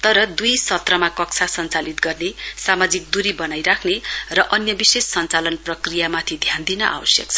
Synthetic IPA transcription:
t̪ʌɾʌd̪ujsʌt̪rʌmakʌk̚t͡sʰasʌnt͡salit̪ɡʌrnesamad͡zik̚d̪uɾibʌnajɾakʰnerʌʔʌnjʌbisesːʌnt͡salʌnprʌkrijamat̪ʰid̪ʱjand̪inʌʔa̰bʌsjʌ̰k̚t͡sʰʌ̥

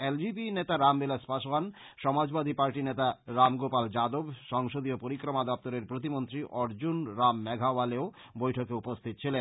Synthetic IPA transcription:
eld͡ʑibinet̪aɾambelaspaʃwan | ʃɔmad͡ʑbad̪ʱipaɾʈinet̪aɾamɡopald͡ʑad̪obʃɔŋʃod̪iopoɾikɾomad̪ɔp̚t̪oɾeɾpɾot̪imont̪ɾiʔɔɾd͡ʑunɾamːɛɡʱawaleo | bojʈʰokeupost̪ʰit̪ot͡ɕʰilen

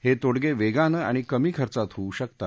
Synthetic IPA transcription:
het̪oɽɡeʋeɡanəa̰ɽ̃ikəmiːkʰəɾt͡sat̪ɦouɕəkt̪a

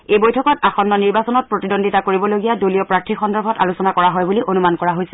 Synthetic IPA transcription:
ejbojtʰɔkɔtaxɔnːɔniɹbasɔnɔt̚pɹotidondʱitakoɹibɔloɡijadoliɔpɹak̚tʰixɔndɔɹbʱɔta̰lusɔnakɔɹaɦɔjbuliʔonumankɔɹaɦojsɛ

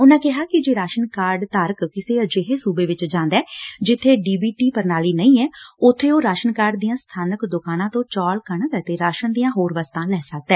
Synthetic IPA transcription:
ʊnãːkɪɦaːkɪd͡ʒeːɾaːʃənkaːɾɖt̪əɾkkɪseːəd͡ʒeɦeːsuːbeːʋɪt͡ʃd͡ʒãːnd̪ɛːd͡ʒɪt̪ʰːeːɖiːbiːʈiːpəɾnaːliːnəĩːɛːʊt̪ʰːeːoːɾaːʃənkaːɾɖd̪ijãːst̪ʰaːnəkd̪ʊkaːnãːt̪õːt͡ʃaːlkəɳɡ̪ɛt̪eːɾaːʃənd̪ijãːɦoːɾʋəst̪ãːlɛːsək̚d̪ɛː

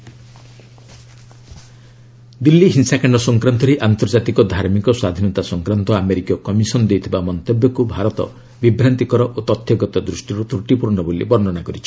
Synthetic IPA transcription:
d̪ilːiɦinsakaɳɖɔsɔŋkɾant̪ɔɾeʔant̪ɔɾd͡ʒat̪ikɔd̪ʱaɾmikɔswad̪ʱinɔt̪asɔŋkɾant̪ɔameɾikɔkɔmisɔnɔd̪ejt̪ʰibamɔnt̪ebjɔkubʱaɾɔt̪ɔ̰ | bibɾant̪ikɔɾɔʔot̪ɔt̪ʰːjɔɡɔt̪ɔd̪ɾusʈiɾut̪ɾuʈipuɾɔnɔbolḭbɔɾnɔnakɔɾit͡ʃʰi̥

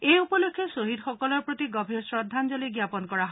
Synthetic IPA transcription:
ejupɔlokʰːjesoɦid̪xɔkɔlɔɹpɹot̪iɡɔbʱiɹsɹɔd̪ʱːand͡ʒɔliɡjapɔnkɔɹaɦ

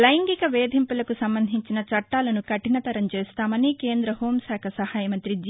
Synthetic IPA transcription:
lɐjŋɡikɐʋeːd̪ʱimpulɐkusɐmbɐnd̪ʱiɲt͡ʃinɐt͡ʃɐʈːaːlɐnukɐʈːinɐt̪ɐɾɐmt͡ʃeːst̪aːmɐnike̞ːnd̪ɾɐɦo̞ːmsaːkʰɐsɐhaːjɐmɐnt̪ɾid͡ʒ

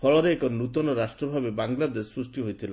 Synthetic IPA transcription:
pʰɔɭɔɾeːkɔnut̪ɔnɔɾasʈɾɔbʱabebaŋlad̪essɾusʈiɦojt̪ʰila

